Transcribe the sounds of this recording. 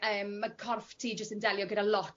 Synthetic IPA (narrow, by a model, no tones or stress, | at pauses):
əːməkʰɔrftʰiːd͡ʒəstəndɛljɔɡədalɔt